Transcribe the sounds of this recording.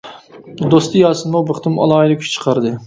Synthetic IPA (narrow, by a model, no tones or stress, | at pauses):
d̪ost̪ʰɨjɑːsɨnmubəχt̪ʰɨmɑ̰lˠɑːid̪ɨkʲʰy̥ʃʲt͡ʃʰə̥qʰɑɾd̪ɨ